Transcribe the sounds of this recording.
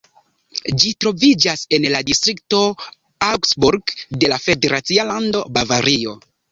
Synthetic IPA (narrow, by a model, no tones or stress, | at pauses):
d͡ʒitɾo̞vid͡ʒase̞nladistɾik̚to̞ | aksbuɾɡde̞lafe̞de̞ɾat͡sialando̞bavaɾio̞